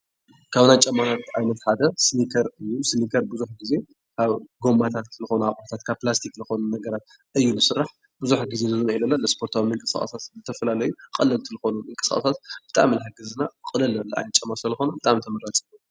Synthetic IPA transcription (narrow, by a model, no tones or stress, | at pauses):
kʰaβnajt͡ʃʼɐmːanʰat̪ʔajnɐt̪ħad̪ɐsɨnikʰɐɾɨjːusɨnikʰɐɾbɨzuħɡize̞ | kʰaβɡo̞mːat̪ʰat̪lɨxo̞nuaχʼlt̪ʰat̪kʰaβpːlast̪ʰikzɨxo̞nunɐɡɐɾat̪ | ʔɨjːulɨsɨrːaħ | bɨzuħɡizezɨzɨnuilɐlːalɐspʰoɾt̪ʰawimɨŋkʼɨsxʼɐ̰sat̪zɨt̪ʰɐfɐlalɐjukʼɐlɐlt̪ʰɨlɨxonumɨŋkʼɨskʼɐ̰sat̪b̥ɨt̪ʼa̰mlħɨɡɨzɨnakʼɨlɐlɐlːʔa̰jnɐt̪t͡ʃʼɐmːaslɐlɐxonɐbɨt̪ʼamt̪ʰɐmɐɾat͡ʃʼimu